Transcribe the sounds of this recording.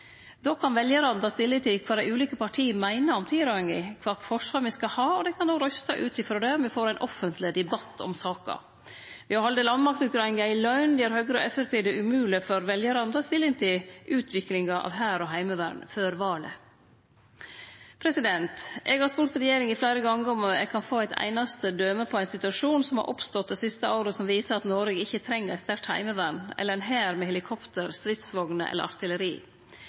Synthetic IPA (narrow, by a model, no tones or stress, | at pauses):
d̪oːkʰɑnʋɛljəɾɑnnt̪ʰɑːst̪ɪlːɪnt̪ɪlkʰʋɑːd̪æɪʉːliːkəpɑʈʰiːəmæɪnəɾɔmt̪ʰiːɾɑɪŋɪkʰʋɑːfɔʂʋɑːɾmɪskɑhɑːɔd̪ɛkʰɑnd̪oːɾœst̪ɑʔʉːt̪ɪfɾɔd̪ɛɔmʋɪfoːɾæɪnʔɔfənt̪lɪd̪ɛbɑt̪ʰːɔ̰msɑːkɑ̰ | ʋɪhɑɾhɑld̪eːlɑnmɑk̚t̪ʊkɾɑŋæɪlœʏnd̪ɪæɾhœːɡɾəɔ̰ʔɛfæɾpeːd̪ɛʔʉmʉːlɪfɔɾʋɛljəɾɑnt̪ʰɑːst̪ɪlːɪŋt̪ʰɪlʔʉːt̪ʰʋɪklɪŋɑʔɑ̰ʋɦæːɾɔɦæɪməʋæɾɳføːɾʋɑːɭə̰ | pʰɾɛsɪd̪ɛnt̪ʔɛɡhɑɾspʊɾt̪ɾɛjeːɾɪŋɪflæɪɾəɡɑŋːəɔmɛ̰ɡ̚kʰɑnfoːæɪt̪ʰæ̰ɪnɑst̪əd̪øːməpʰɔæɪnsɪt̪ʉɑʂuːnsɔmhɑ̰ɾʔɔpst̪ɔt̪̚d̪ɛsɪst̪əɑʊɾəsɔmʋiːsəɾɑt̪noːɾɛɡɪçːət̪ʰɾɛŋːəɾɛst̪æɾʈ̪hæ̰ɪməʋæɾɳɛ̰lːəɾɛnɦæːɾmɛhɛlɪkʰɔpt̪əɾst̪ɾɪt̪sʋɔɡnəʔɛ̰ləɾɑ̰ɾt̪ɪləɾḭː